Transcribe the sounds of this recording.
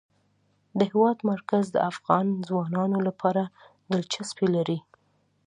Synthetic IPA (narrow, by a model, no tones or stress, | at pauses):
d̪əhɪwɑd̪maɾkazd̪ə̰afɣɑnzwɑnɑnolapʰɑɾa | d̪əlt͡ʃaspelaɾi